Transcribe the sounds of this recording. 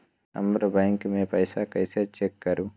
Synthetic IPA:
ɐ̰mbɐɾɐbɐjŋkmeːpɐjsaːkɐjset͡ʃekːɐɾu

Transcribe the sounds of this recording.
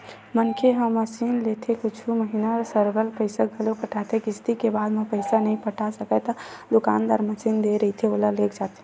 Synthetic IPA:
mənkʰeɦəmːəsinlet̪ʰekʊt͡ʃʰuməɦinasəɾɡəlpəɪsaɡʱəlopəʈʰat̪ʰekɪst̪ikebaːd̪mẽpəɪsanəɦĩpəʈʰasəkət̪əd̪ʊkaːnd̪aːɾməsind̪eɾəɦit̪ʰeoːlaleːkd͡ʒaːt̪ẽ

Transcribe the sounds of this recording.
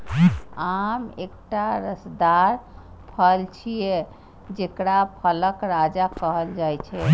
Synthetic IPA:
amek̚ʈaɾəsd̪aɾ | pʰəlt͡ʃʰije | d͡ʒekɽapʰələkɾad͡ʒakəɦəld͡ʒajt͡ʃʰɛ

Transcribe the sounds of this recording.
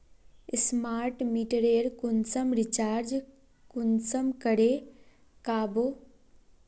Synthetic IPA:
smaːɾʈmiʈəɾeːɾkunsəmɾit͡ʃaːɾd͡ʒ | kunsəmkəɽe | kaːbo

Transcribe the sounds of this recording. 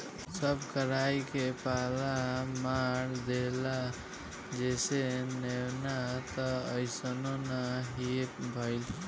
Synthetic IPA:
səbʱkəɾajkepalamaɾd̪ela | d͡ʒesenewnat̪əəɪsənonaɦipbʱəɪl

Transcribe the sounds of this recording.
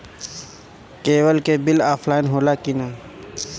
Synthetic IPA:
keːwəlkeːbɪlaːfʰlaːɪnɦoːlaːkinaː

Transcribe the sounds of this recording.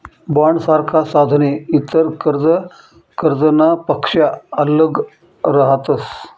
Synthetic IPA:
baɳsaɾkʰasad̪ʱneit̪əɾkəɾd͡zə | kəɾd͡zənapəkʂjaələɡ | ɾəɦat̪əs

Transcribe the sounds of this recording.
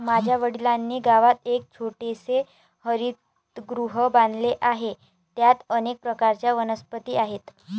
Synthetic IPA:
mad͡ʑʱjaʋəɽilanːiːɡaʋat̪ek̚t͡ɕʰoʈese | həɾiːt̪ | ɡɾuɦəbãnd̪leʔaɦe | t̪jat̪ənek̚pɾəkaɾt͡ɕjaʋənəspət̪iːaɦet̪

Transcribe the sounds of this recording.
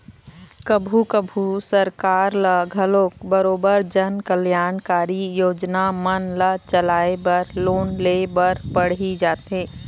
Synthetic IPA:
kəbʱukəbʱusəɾkaːɾləɡʱɐloːkbəɾoːbəɾd͡ʒaːnkəljaːnkaːɾijoːd͡ʒnamənlət͡ʃəlaːebəɾloːnleːbəɾpəɽ̤id͡ʒaːt̪ẽː

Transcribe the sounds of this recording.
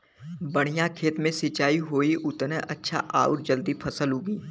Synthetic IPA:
bɐɽ̃ɪjãkʰeːt̪mẽsɪt͡ʃaːiɦoːiʔʊt̪neʔɐtːʃʰa̰ʔa̰ːʊɾd͡ʒəld̪ipʰɐsəlɦoːɡiː

